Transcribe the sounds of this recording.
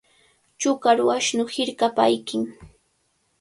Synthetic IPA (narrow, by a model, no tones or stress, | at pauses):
t͡ʃʊkaɾwaʃnʊhɪɾkapajkɪŋ